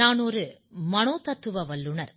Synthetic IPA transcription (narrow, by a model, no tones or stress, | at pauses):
aːnoːɾɯ | mɐnoːt̪ɐt̪ːɯʋɐʋɐlːɯɳɐɾ